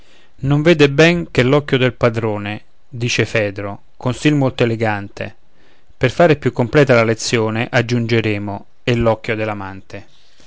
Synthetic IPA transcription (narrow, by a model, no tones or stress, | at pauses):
noɱveːd̪ɪbɛŋkelːɔkːjod̪elpad̪ɾoːne | d̪iːt͡ʃefɛːd̪ɾo | konsilmolt̪oeleɡant̪ḛ | perfaːɾepjukːomplɛːt̪alalet̪sːjoːneʔad͡ʒːund͡ʒeɾeːmo | elːɔkːjod̪elamant̪ʰe